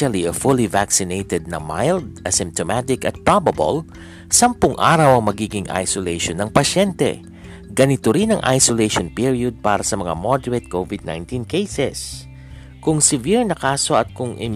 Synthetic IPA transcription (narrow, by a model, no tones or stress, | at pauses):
ɐliɐfʊlivaksɪnejt̪ɛd̪̚nɐ̰ma̰jld̪̚ɐsɪ̃mp̚t̪omat̪ɪkɐt̪̚pɹabɐbo̰l | sɐmpʊŋʔa̰ːɾɐwɐŋmɐɡiːɡɪŋʔa̰jsolejʃonːɐŋpɐʃɛnt̪ɛ̰ | ɡɐnɪt̪oɾinɐŋʔa̰jsolejʃonpiɹiod̪̚paːɾɐsɐmɐŋa̰mod̪ɛɹɛt̪̚kovɪd̪̚na̰jnt̪inkejsɛs | kʊŋsɪviɹnɐkaːso̞ɐt̪̚kʊŋʔɪ̰